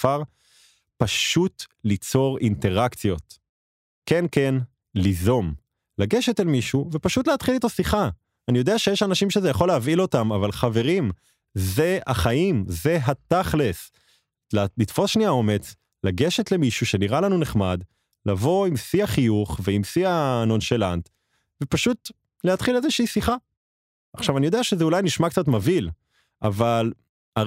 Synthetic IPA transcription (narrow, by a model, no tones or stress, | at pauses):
aʁ | paʃutlit͡so̞ʁinte̞ʁakt͡sjo̞t | ke̞nke̞n | lizo̞m | laɡe̞ʃetelmiʃuve̞paʃutleat̪χilit̪osiχa | anijo̞d̪eaʃejeʃanaʃimʃezejaχo̞leavilo̞tamavalχave̞ʁim | ze̞aχaimze̞ɦataχles | llit̪fo̞sʃniao̞me̞t͡s | laɡe̞ʃet̪le̞miʃuʃe̞niʁalanuneχmad | lavo̞imsiaχijuχveimsianonʃelant̪ | vepaʃut | leat̪χilezeʃiisiχa | ʔaχʃavanijodeaʃezeulajniʃmakt͡sat̪mavil | ʔaval | a